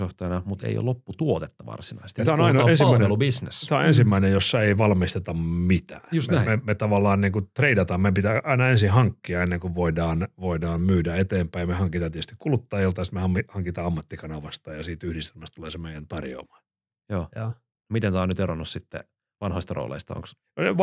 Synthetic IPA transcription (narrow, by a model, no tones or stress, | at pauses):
joht̪ɑjɑnɑmut̪ḛijo̰lopːut̪uot̪et̪ːɑʋɑ̰rsinɑ̰isest̪t̪æonɑinɑensimæˑinlubisnḛst̪æonensimːæinejosːɑeiʋɑlmist̪et̪ɑmmit̪æ̰ːjusmemet̪ɑʋɑlːˑɑːnniːŋkut̪reidɑt̪ɑmmepit̪æʔɑinɑensihɑŋkːiɑenːeŋkuʋʋoidɑːnʋoidɑːmmyːdæet̪eːmpæijɑmehɑŋkit̪ɑːt̪iet̪yst̪ikulut̪ːɑjilt̪ɑest̪mehɑmːihɑŋkit̪ɑːɑmːɑt̪ːikɑnɑʋɑst̪ɑjɑsiːt̪yhɾist̪elmæst̪uleːˑsemeˑijænt̪ɑrjo̰ːmɑ̥ː | joː | mit̪ent̪æɑːnyt̪eronːussit̪ːḛ | ʋɑnhoist̪ɑro̰ːlḛist̪ɑ̰o̰ŋks | eʋ